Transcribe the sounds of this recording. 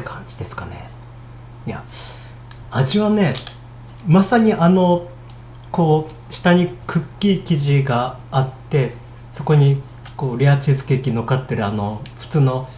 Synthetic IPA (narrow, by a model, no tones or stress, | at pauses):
kʰãɲ̟d͡ʑi̥d̪e̞sɨ̥kane̞̰ | ija̰ | aʑiβane̞ | masaɲ̟iʔano̞ | ko̞ː | ɕi̥t̪aɲ̟ikʰɯ̟kʲːiːkʲiʑiɡaː | t̪ːe̞ | so̞ko̞ɲ̟i | ko̞ːɾʲeat͡ɕizɨ̥ke̞ːkʲino̞kat̪ːeɾɯ̟ano̞ɸɯ̟̥t͡sɨːno̞